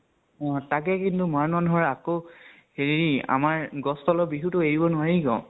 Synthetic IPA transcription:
ɔ̃tak̬ɛkintumaɹnanuɦɔɹako | heɹia̰maɹɡɔstɔlɔbiɦutʊeɹibɔnʊaɹiɡɔ̰̃

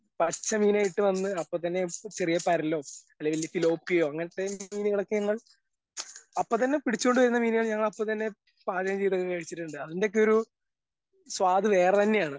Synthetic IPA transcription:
pɐt͡ɕːɐmiːnaːjiʈːɨʋɐnːɨɐpːoːt̪ɐnːe̞t͡ɕerijɐpɐɾɐlːo̞ːɐlːeʋɐlːjɐfilo̞ːpːijo̞ːɐŋːɐnɐt̪ːe̞miːniɣɐɭokːeɲɐŋːɐɭ | ɐpːoːt̪ɐnːe̞piɽit͡ɕːukːoɳɖɨʋɐɾunːɐmiːniɣɐɭɲɐŋːɐɭɐpːot̪ɐnːe̞ | paːd̪ɐjɐmt͡ɕejt̪̬okːekɐɻit͡ɕːiʈːuɳɖɨɐðinde̞k̬ːeoɾu | sʋaːd̪ɨʋe̞ːrɐt̪ɐnːe̞jaːɳɨ

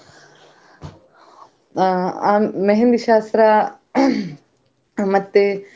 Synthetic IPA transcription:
aːmeɦend̪iʃaːst̪ɾa | mɐt̪ːe

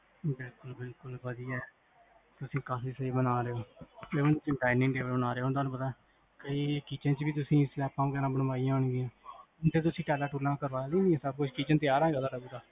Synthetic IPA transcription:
bɪlkʊlbɪlkʊlʋəd̪iːɛː | t̪ʊsĩːkaːfiːsəiːbənaːɾeːoːt̪eːonũːt͡ʃəɖaːɪnɪ̃ŋɖeːʋəlbənaːɾeoːɦʊnd̪aːnũpət̪aː | kəiːkiːt͡ʃə̃nt͡ʃbiːt̪̬ʊsĩːslɛːpãːɡɛːɾãːbənbaːijãːɦʊɳɡɪjãː | t̪eːt̪̬ʊsĩːʈɛːlaːʈuːlãːkəɾʋaːloːnĩɛ̃ːsəb̚kʊt͡ʃʰkiːt͡ʃənt̪ɪaːɾãːɡəlaːɾəuːɡ̪aː

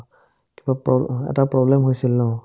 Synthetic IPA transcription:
kibapɔɛ̰tapɹɔblɛmɦojsilːɔ

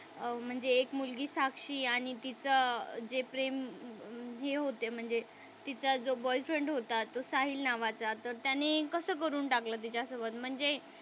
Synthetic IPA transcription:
m̤əɳd͡zeːkmulɡiːsakʂiːaɽ̃it̪it͡səd͡zepɾem | ɦeɦot̪em̤əɳd͡ze | t̪it͡sad͡zobɔjfɾəɳɖɦot̪at̪osaɦiːlnaʋat͡sat̪əɾt̪janekəsəːk̬əɾuːnʈaklət̪̬it͡ɕasəʋət̪m̤əɳd͡ze

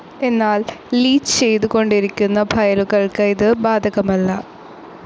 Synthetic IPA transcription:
e̞nːaːlliːt͡ɕɨ̥t͡ɕe̞jt̪uɣo̞ɳɖiɾikʲːunːɐbʱɐjɐluɣɐɭkɐjiðɨbaːd̪ʱɐɣɐmɐlːɐ

